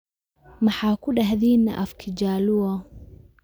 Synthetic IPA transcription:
mɐħaːkʰʊɖɐɦðiːnːɐ̰ʔɐfkʰɪd͡ʒaːlʊɐ

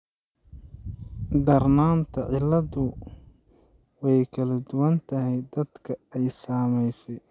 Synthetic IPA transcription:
d̪ɐrnaːnt̪ʰɐʕɪlːɐðʊ | wɛjkʰɐlɐd̪ʊwɐnt̪ʰɐɦɛjd̪ɐd̪kʰɐɛjsaːmɛjsɛj

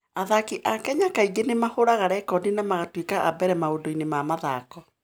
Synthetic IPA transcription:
aðakiʔakɛɲakaiɡenemahoɾaɣaɾɛkɔdinamaɣatwikaʔabɛɾɛmaodoinemamaðaːkɔ

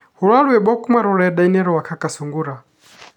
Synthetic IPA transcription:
hulwalwɛɓɔkʼumaɾɔlɛɛɗainɛɾɔwakʰakʼasuŋɡuɾa

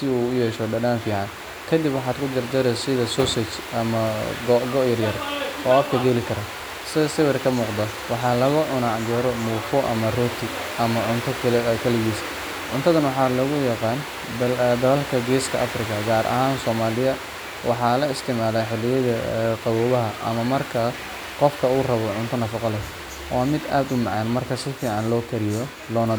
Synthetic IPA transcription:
sɪuːʊjɛːʃɔɖɐɖaːnfiːʕɑn | kʰɐd̪ɪbwɑħɑːd̪kʰʊd͡ʒ̪ɐrd͡ʒɐɾɛsɪðɐsɔsɛt͡ʃ | ɐmɐɡɡɔʔjɐrjɐrʔɔːɐfkʰɐɡɛlɪkʰɐɾɐ | sɪsɪwɛrkʰɐmuːqd̪ɐ | wɑħɑːlɐɣɐʕʊnaɡɛɾɔmuːfɔʔɐ̰mɐrɔt̪ʰɪ | ʔɐmɐʕʊnt̪ʰɔkʰɐlɪɣiːs | ʕʊnt̪ʰɐðɐnwɑħɑːlɐɣʊjɑqɑːn | d̪ɐlɐlkʰɐɡɛːskʰɐʔɐ̰frɪkʰɐɡaːɾʔɐ̰ɦaːnsɔːmaːlɪjɐ | wʔɑħɑːlɐɪst̪ʰɪmaːlaːħɪlːɪjɐðɐqɑβuːβɐɦɐʔɐmɐmɐrkʰɐ | qɔfkʰɐuːrɐβɔʕʊnt̪ʰɐnɐfɑqɔlɛ | wʔaːmɪd̪aːd̪ʊmɑʕɑːnmɐrkʰɐsɪfiːʕɑnlɔːkʰɐɾɪjɔ | lɔːnɐ

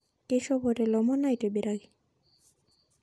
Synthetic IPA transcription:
keʃɔbɔɾelɔmɔnajʈebeɾaɡi

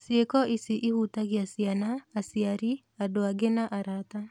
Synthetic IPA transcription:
sjekɔʔisiʔihutaɣiasjanaːsiaɾi | adoaɡenaʔaɾata

